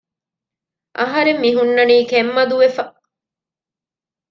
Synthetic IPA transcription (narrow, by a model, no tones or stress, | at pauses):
ʔɐɦɐɾemːiɦunːɐniːkemːɐd̪uʋefɐ